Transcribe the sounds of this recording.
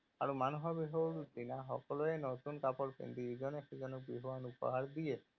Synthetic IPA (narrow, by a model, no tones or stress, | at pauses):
aɾumanuɦɔbiɦuaɾutinaɦɔ̰kɔlɔenɔt̪unkapɔɾpḛnd̪id͡ʒɔnexed͡ʒɔnɔk̚biɦuanupɔ̰ɦaɾd̪ije